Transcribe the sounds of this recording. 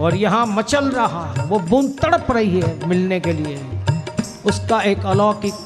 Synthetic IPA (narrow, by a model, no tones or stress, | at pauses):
ɔːɾjɐɦãmɐt͡ʃəlɾɐɦaɦɛʋobũnt̪əɽəpɾɐɦiɦɛmɪlnekelie | ʊskaeːkɐlɔːki